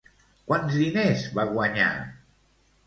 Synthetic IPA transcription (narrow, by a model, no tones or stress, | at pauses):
kwanzðinezβaɣwaɲa̰